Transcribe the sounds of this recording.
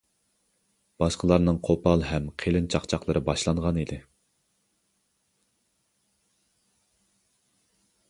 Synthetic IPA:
b̥ɑʃqəlˠɑɾnɨŋqʰopɑlˠɦɛmqʰelɪnt͡ʃʰɑχt͡ʃʰɑχlˠəɾɨbɑʃlˠɑɴʁɑnid̪ɪ

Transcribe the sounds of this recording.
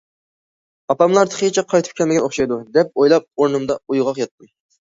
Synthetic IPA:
ɑpɑmlˠɑɾt̪ʰə̥χʰejt͡ʃʰɛqʰɑjt̪ʰɨ̥p̚kʲʰɛlmɪɡʲɛnoχʃɑjd̪ud̪ɛp̚ojlˠɑp̚oɾnɨmd̪ɑujʁɑqjɑt̪̚muj

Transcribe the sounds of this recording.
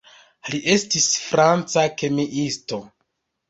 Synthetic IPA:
liʔe̞stisfɾant͡sake̞miʔisto̞

